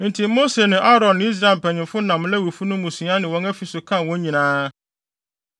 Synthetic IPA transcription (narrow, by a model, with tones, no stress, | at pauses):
n̩˨tʰi˨mo˦se˨nɪ̃˨ʔa˦ɾɔ̃˨nːɪ̃˨˦i˦s̬ɾa˦˨e˨pʰæ˨ɲɪ̃˨mfʊ˦nã˨m̃˦lɛ˦wu˨fu˦nʊ̃˦mũ˨sĩ˨˦a˦nɪ̃˨wɔ̃˦ŋæ˦fi˨sʊ˨kʰã˦˨wɔ̃˦ɲĩ˨nãː˦